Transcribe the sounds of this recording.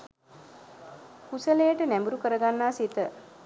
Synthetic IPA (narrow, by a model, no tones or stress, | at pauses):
kusəlejəʈənæmbuɾukəɾəɡanːaːsit̪ə